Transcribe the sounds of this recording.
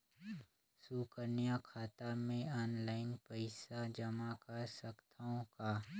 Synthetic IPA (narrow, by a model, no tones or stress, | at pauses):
sukəɾnijakʰaːt̪amẽɔːnlaːɪnpəɪsad͡ʒəmakɐɾsəkt̪ʰaõkaː